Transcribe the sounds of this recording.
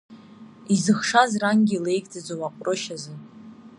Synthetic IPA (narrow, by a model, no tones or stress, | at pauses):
izɨχʂazraŋɡʲile̞jɡʼd͡zʼazowaqʷʼrɨʃazɨ